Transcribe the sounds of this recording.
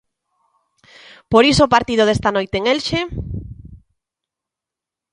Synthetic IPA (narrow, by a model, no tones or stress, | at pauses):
poɾisopaɾt̪ið̞oðest̪anojt̪eːŋelʃe